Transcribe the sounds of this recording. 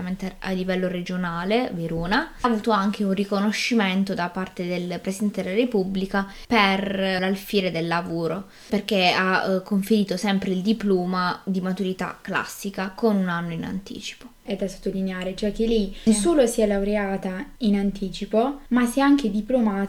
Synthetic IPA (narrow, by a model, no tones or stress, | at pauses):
ament̪ea̰lːivɛlːoɾed͡ʒonaːleveɾoːnavuːt̪oaŋk̟eunrikonoʃːiment̪od̪apart̪ed̪elpɾesid̪ɛnt̪ed̪elaɾepubːlika | perlalfiːɾed̪elːavoːɾo | perk̟eakːoɱfeɾiːt̪osɛmpɾeild̪iploːmad̪imat̪uɾit̪a̰kːla̰sːikakonunanːoina̰nt̪ḭːt͡ʃi̥po̥ | ɛd̪aso̥t̪ːolineaːɾet͡ʃoɛk̟ːelːɛsuːlosiɛlawɾeaːt̪ainant̪iːt͡ʃipomasiɛaŋk̟ed̪iplomaː